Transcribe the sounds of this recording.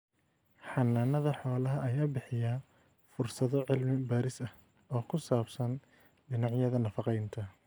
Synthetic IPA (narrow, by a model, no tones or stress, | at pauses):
ħɑnːaːnɐðɐħɔːlɐɦɐɐjaːbɪħɪja | fʊrsɐðɔʕɪlmɪbaːɾɪsɐ | ɔːkʰʊsaːbsɐn | ɖɪnɑʕjɐðɐnɐfɑqɛjnt̪ʰɐ